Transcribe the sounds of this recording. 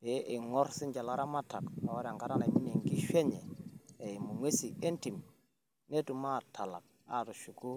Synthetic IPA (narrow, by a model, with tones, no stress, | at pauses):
be˨˦ʔe˨ŋɔ˦ɾsi˦nd͡ʒa˨la˦ɾa˦ma˦ta˨kma˨wa˦ɾa˨ŋɡa˨ɾa˦na˨mi˦ne˨ŋɡi˦ʃe˦ɲɛ˨e˨mu˨ŋwe˦si˨e˦nti˨m | ne˦tu˨ma˦˨tʰa˨la̰˨k̚ | a̰˦˨tu˨ʃu˨ɡu˦